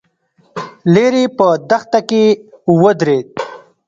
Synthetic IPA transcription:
leɾepəd̪axt̪akewəd̪ɾed̪̚

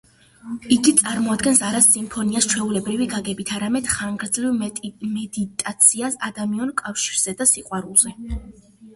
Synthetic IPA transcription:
iɡit̪sʼaɾmɔad̪ɡɛnsaɾasimpʰɔniast͡ʃʰwɛulɛbɾiviɡaɡɛbit̪ʰaɾamɛd̪̥χaŋɡɾd̪zlivmɛd̪it̪ʼat̪sʰiasad̪amiɔnkʼafʃiɾz̥ɛd̪asiqʼwaɾulˠz̥ɛ

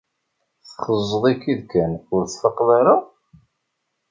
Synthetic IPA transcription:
θχəzˤːəðˤikːiðkænʊɾt͡sːfəqːðɑɾa

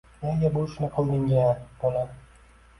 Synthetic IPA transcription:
naɡʲabolˠɪʃɪnɪqʰɨlˠd̪ɪŋɡʲab̥ola

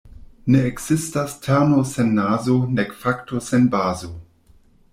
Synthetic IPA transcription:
neːkz̥ɪstastʰɛʁnosɛnːaːzonɛkfaktosɛnbaːzo

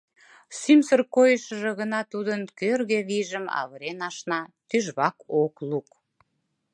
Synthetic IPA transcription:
symsərkojəʃə̆ʒĕɣənɑt̪ud̪ənkørɣeβiʒəmɑ̰βəɾenɑʃnɑt̪yʒβɑkokluk

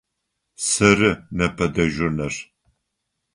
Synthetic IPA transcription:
sɐrɨnɐpʰɐdɐʒʷʊnɐr

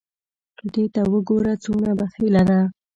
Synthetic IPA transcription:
kəd̪et̪awəɡoɾat͡sonabaxilad̪a

